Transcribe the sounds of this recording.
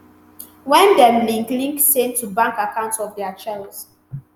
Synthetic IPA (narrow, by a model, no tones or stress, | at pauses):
wɛ̃ndɛmlĩŋklĩŋksẽntʰubãŋkakʰãʊ̃ntsɔvdɛat͡ʃɛls